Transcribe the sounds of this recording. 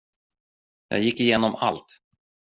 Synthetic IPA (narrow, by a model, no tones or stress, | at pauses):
jɑ̰ːɡjɪkːɪjeːnɔma̰lt̪